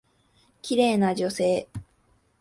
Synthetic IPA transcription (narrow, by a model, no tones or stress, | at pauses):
kʲiɾe̞ːnad͡ʑo̞se̞ː